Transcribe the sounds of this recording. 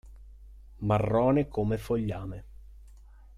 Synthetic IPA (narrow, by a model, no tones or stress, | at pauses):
marːɔːnekomefoʎːaːme